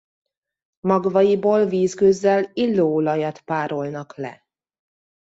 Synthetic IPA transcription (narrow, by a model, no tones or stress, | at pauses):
mɒɡvɒjiboːlviːzkøzːɛlilːoːlɒjɒt̪paːɾo̞lnɒklɛ̰